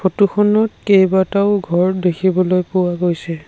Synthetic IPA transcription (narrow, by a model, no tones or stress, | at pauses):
fʰotuxʰɔnɔtkejbataʊɡʱɔɹdekʰibɔlojpʊwaɡojsɛ